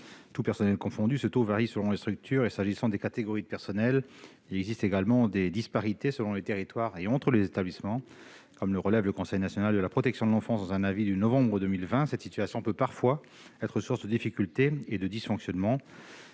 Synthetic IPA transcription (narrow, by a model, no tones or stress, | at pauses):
t̪upɛʁsɔnɛlkɔ̃fɔ̃d̪ysət̪ovaʁisəlɔ̃lest̪χyk̚t̪ʰyːʁesaʒisɑ̃d̪ekat̪eɡɔʁid̪əpɛʁsɔnɛl | ilɛɡzist̪eɡalmɑ̃d̪ed̪ispaʁit̪esəlɔ̃let̪eʁit̪waʁeɑ̃t̪χəlezet̪ablismɑ̃ | kɔmləʁəlɛvləkɔ̃sɛjnasjɔnald̪əlapχɔt̪ɛksjɔ̃d̪əlɑ̃fɑ̃sd̪ɑ̃zɛ̃navid̪ənɔvɑ̃bʁəd̪ømilvɛ̃sɛt̪sit̪yasjɔ̃pøpaʁfwa | ɛt̪χəsuʁsd̪əd̪ifikʲylt̪eːd̪əd̪isfɔ̃ksjɔnmɑ̃